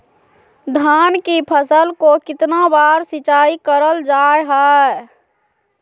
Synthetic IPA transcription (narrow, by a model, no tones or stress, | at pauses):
d̪ʱankipʰəsəlkokɪt̪nabaɾsɪt͡ʃaikəɾəld͡ʒaeɦɔ